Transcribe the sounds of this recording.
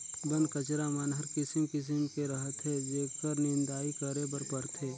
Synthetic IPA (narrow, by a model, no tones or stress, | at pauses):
bə̃nkət͡ʃɾamənɦəɾkɪsɪmkɪs̬ɪmkeɾɐɦət̪ɦɛd͡ʒ̪eːkʰkəɾnɪ̃nd̪aːikəɾebəɾpɐɾt̪ɦeː